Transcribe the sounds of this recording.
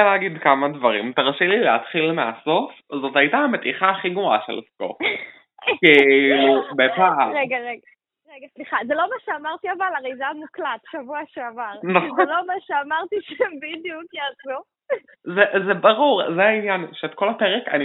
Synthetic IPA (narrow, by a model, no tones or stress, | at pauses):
alɛːɡid̪kamadvaʁimt̪aʁʃilileat̪χilmea̰so̞f | zo̞tajit̪ame̞t̪iχaːχiɡmoa̰ʃḛlḭfko̰ | kilubepaʁeɡaʁeɡa | ʁeɡasliχazelo̞maʃeamaʁt̪iavalaʁejzamuklat̪ʃavuaʃeavaʁnaχlomaʃeamaʁt̪iʃembid̪jukjazu | zezebaʁuʁzeainjanʃeːt̪̚ko̞lapeʁeka̰ni